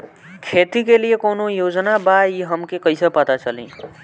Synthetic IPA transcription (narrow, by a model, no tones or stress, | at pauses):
kʰet̪ikelijekonojod͡ʒnabaiɦəmkekəjsʌpət̪at͡ʃʌlḭ̃